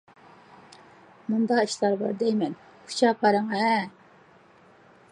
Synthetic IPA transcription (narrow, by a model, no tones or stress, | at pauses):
mund̪ɑiʃlˠɑɾbɑ̰ɾd̪ɛjmɛn | kʰu̥t͡ʃʰɑpʰɑɾəŋɛ